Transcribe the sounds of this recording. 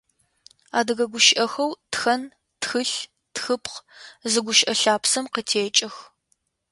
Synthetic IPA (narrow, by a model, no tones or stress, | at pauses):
aːdɨɣɐɡʷʊʃɪʔɐxɐwtxɐn | txɨɬ | txɨpqzɨɡʷʊʃʔɐɬaːpsɐmqətʰeːt͡ʃʼɐx